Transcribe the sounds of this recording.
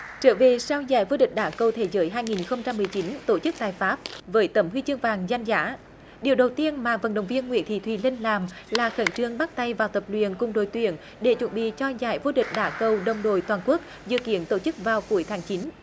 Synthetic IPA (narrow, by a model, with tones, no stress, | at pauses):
t͡ɕəː˧˦ve˨˩sa˧wzaː˧˩jvo˧ɗï˨˩k̟̚ɗaː˨˦kə˨˩wt̪ʰe˧˦zəː˨˦jɦaː˧jŋi˨˩nxə˧wŋ͡mt͡ɕa˧mːɨ˨˩əjt͡ɕi˨˦nt̪o˧˩t͡ɕɨ˦˥k̚t̪aː˨˩jfaː˦˥p̚vəː˨˦jt̪ə˨˦˩mhwi˧t͡ɕɨ˧əŋvaː˨˩ŋza˧jŋ̟zaː˧˥ | ɗi˨˩əwɗə˨˩wt̪i˧ənmaː˨˩və̰˨˩nɗə˨˩wŋ͡mvi˧ənŋw̰i˧˥ənt̪ʰḭ˧˨˩t̪ʰwḭ˧˩li˧nlaː˨˩mlaː˨˩xə˧˩˦nt͡ɕɨ˧əŋɓa˦˥k̚t̪a˧jvaː˨˩wt̪ə˨˩p̚lwḭ˧˨ənkʊ˨˧˩ŋ͡mɗo˧˩jt̪wḭ˧˨ən | ɗe˧˩t͡ɕwə̰˧˩nɓḭ˧˨t͡ɕɔ˧zaː˧˩jvo˧ɗï˨˩k̟̚ɗaː˧˩˦kə˨˩wɗə˨˩wŋ͡mɗo̰˧˨jt̪waː˨˩nku˦˥ək̚ | zɨ̰˧˨kḭ˧˥ənt̪o˧˩t͡ɕɨ˦˥k̚vaː˨˩wku˨˧˩əjt̪ʰaː˨˦ŋt͡ɕi˨˦n